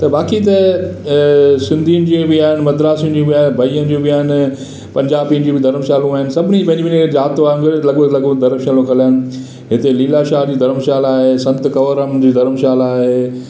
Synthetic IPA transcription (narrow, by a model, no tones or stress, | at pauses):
t̪ɐbaːkit̪ɐ | sɪ̃nd̪ʱiːʊnɪ̆d͡ʑiːbɪaːɦɪnɪmɐd̪ɾaːsind͡ʑũbiabʱɐiənd͡ʑũbɪjaːɦɪnɪ̆ | pɐ̃ɲd͡ʑaːbiənd͡ʑĩbɪd̪ʱɐɾmʃaːlũaːɦɪnɪ̆sɐbʱɪnibɐ̃ɲd͡ʑʋiːnikezaːt̪ʋaːnkɐlelɐɠəlɐɡəd̪ʱɐɾmʃaːlõkɐlaːnɪ̆ | ɦɪt̪eliːlaːʃaːd͡ʑiːd̪ʱɐɾəmʃaːlaːɦesɐ̃nt̪kɐʋəɾəmd͡ʑiːd̪ʱɐɾəmʃaːlaːɦeː